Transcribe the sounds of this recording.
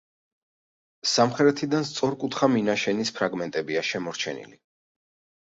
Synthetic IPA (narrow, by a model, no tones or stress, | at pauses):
samχɛɾɛt̪ʰid̪anst̪sʼɔɾkʼut̪ʰχaminaʃɛnispʰɾaɡmɛnt̪ʼɛbiaʃɛmɔɾt͡ʃʰɛ̰nḭli